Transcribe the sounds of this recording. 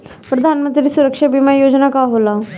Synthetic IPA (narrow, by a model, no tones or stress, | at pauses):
pɾəd̪ʱanmənt̪ɾiːsuɾəkʂabimajod͡znakaɦola